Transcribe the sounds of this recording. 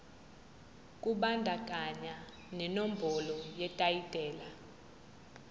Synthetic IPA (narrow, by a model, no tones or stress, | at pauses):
kʼuɓandʱak̬ʼaɲa | nɛnom̩bʱɔlɔjɛtʼajid̥ʱʼɛːla